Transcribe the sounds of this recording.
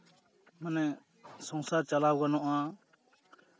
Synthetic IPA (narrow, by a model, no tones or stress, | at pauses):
mənɛ̃ | sɔ̃ŋsaːt͡ʃəlaːwɡənoʔãː